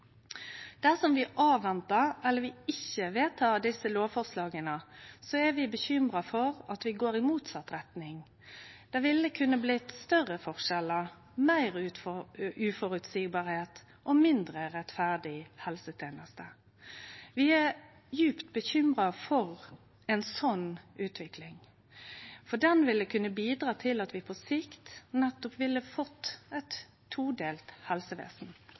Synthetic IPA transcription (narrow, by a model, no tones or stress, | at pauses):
d̪̥æʁsɔmʋɪʔɑːʋɛnt̪əɾɛlːəɾʋɪɪçəʋeːt̪ʰɑːd̪ɪsəloːʋfɔʁslɑːɡənəsɔɛʋɪbəçʏmɾɑfɔʁɑt̪ʋɪɡoːɾɪmuːt̪sɑt̪ɾɛt̪nɪŋ | d̪̥ɛʋɪlːəkʰʉnːəblɪt̪st̪œʁːəfɔʁʃɛləʁ | mæɪʁ | ʉfɔɾʉt̪siːɡ̚bɑːɾheːt̪ | ʔɔmɪnd̪ɾəʁɛt̪fæʁd̪ɪhɛlsət̪ʰeːnəst̪ə | ʋɪæ | jʉːpt̪̚bəçʏmʁɑfɔʁ | ɛnsɔnʔʉːt̪ʰʋɪkʰlɪŋ | fɔɖ̪ɛnʋɪlːəkʰʉnːəbiːd̪ɾɑːt̪ʰɪlɑt̪ʋɪpʰɔsɪkt̪nɛt̪ːɔpʋɪlːəfɔt̪ːɛɪt̪ʰː | uːd̪eːlt̪hɛlsəʋḛːsn̩